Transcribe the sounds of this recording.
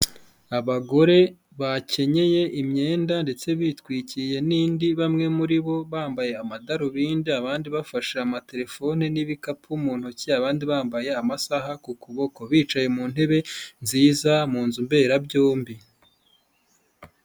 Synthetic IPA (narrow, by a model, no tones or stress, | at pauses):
aβaɡo̞ɾe̞ | βace̞ɲe̞je̞ʔimɲe̞ːndande̞t͡se̞βitkwiːcije̞niːndiβamŋe̞muɾiβo̞βaːmbaje̞amadaɾoβiːndiaβaːndiβafaʃaamate̞ɾe̞fo̞neniβikapʰumuːn̥huciaβaːndiβaːmbaje̞amasaɦakukuβo̞ko̞βiːt͡ʃaje̞muːn̥he̞βe̞nziːzamuːnzumbe̞ːɾabjoːmbi